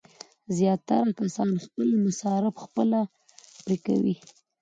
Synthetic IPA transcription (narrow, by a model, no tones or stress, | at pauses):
zjɑt̪ːaɾakasɑnxpəlmʊsɑɾɪbxpəla | pɾika̰wḭ